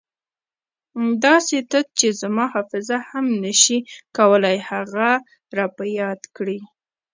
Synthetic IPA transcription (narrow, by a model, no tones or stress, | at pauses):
d̪ɑset̪əd̪̚t͡ʃezamɑhɑfɪzahamnəʃikawəlajhaɣa | ɾɑpajɑd̪kɽi